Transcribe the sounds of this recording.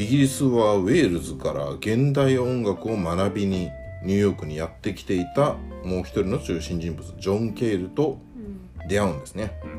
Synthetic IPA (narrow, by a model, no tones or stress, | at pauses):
iɡʲiɾʲisɨβaβe̞ːɾɯ̟zɨkaɾa̰ɡẽ̞nd̪aiõ̞ŋɡakɯ̟o̞manabʲiɲ̟iɲ̟ʲɯːjo̞ːkɯ̟ɲ̟ijat̪ːe̞kʲi̥t̪e̞it̪amo̞ːçʲi̥t̪o̞ɾʲino̞t͡ɕɨːɕĩɲ̟d͡ʑĩmbɯ̟t͡sɨd͡ʑõ̞ŋke̞ːɾɯ̟t̪o̞ | d̪e̞aɯ̟̃nd̪e̞sɨne̞